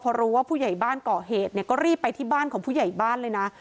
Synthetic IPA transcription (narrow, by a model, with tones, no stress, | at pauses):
pʰɔː˧ɾuː˦˥waː˥˩pʰuː˥˩ja˨˩jbaː˥˩nkɔː˨˩ɦeː˨˩t̪̚ni˥˩ɐkɔː˥˩ɾiː˥˩pːa˧jt̪ʰiː˥˩baː˥˩nkʰɔː˩˦ŋpʰuː˥˩ja˨˩jbaː˥˩nlɤː˧jna˦˥